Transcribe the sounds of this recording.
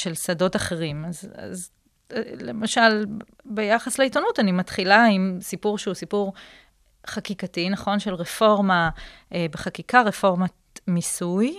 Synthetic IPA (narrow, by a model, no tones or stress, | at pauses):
ʃe̞lsado̞taχeʁimaza̰z | le̞maʃal | be̞jaχasleitonutanimatχilaimsipuʁʃeusipuʁ | χakikatinɐχo̞nʃe̞lʁefo̞ʁma | beχakikaʁe̞fo̞ʁma | misuj